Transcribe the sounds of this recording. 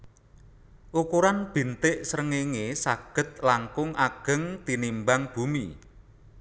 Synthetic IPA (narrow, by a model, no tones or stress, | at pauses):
ʔukuɾanb̥i̤nt̪ɪʔsəɾəŋeŋesaɡ̥ə̤t̪̚laŋkʊŋʔaɡ̥ə̤ŋt̪inimbaŋb̥ṳmḭ